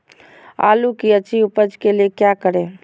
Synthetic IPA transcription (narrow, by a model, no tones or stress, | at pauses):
a̰lukiət͡ʃiupəd͡ʒkelekjakəɾe